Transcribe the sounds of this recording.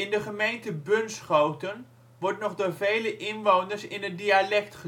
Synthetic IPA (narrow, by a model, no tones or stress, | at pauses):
ɪndəχəmejntəbʏnsχowtən | ʋɔɹtnɔχdoːɹvejləʔɪnʋownərsɪnədialɛktχə